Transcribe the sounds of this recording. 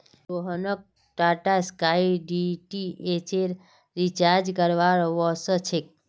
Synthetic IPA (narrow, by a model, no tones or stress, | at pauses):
ɾoɦənək̚ | ʈaʈaskaiɖiʈiet͡ʃeɾ | ɾit͡ʃaɾd͡ʒkəɾʋaɭʋɔsət͡ʃʰek̚